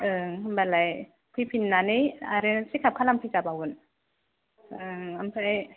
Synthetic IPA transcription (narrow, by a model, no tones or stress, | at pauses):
ʔɯŋambalaj | kʰipʰinːania̰ɾesikʰapkʰalampʰit͡ʃabawun | ɯŋampʰaj